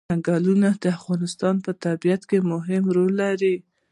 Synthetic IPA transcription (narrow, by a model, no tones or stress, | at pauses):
aŋɡɑlunad̪̥əafɣɑnɪst̪ɑnpət̪abijat̪kemʊɦɪmɾolːaɾi